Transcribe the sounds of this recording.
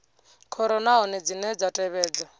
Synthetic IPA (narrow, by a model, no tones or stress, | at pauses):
kʰɔɾɔnaɦɔnɛd͡zinɛd͡zatʼɛβɛːd͡za